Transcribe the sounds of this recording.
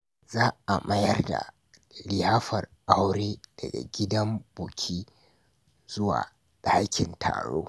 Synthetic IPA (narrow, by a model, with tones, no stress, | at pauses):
zaː˦ʔa˨mɐ˦jɐ˦rda̰˨ | lɪ˨jaː˦ɸɐ˨rʔa˦wɾeː˦d̥ɐ˨ɡa̰˨ɡʲɪ˦dɐ˦mboː˨kʲʰiː˦ | zʊ˦wa̰ː˨ | ɗaː˦kʲɪ˨ntʰa̰ː˨ɽo̰ː˦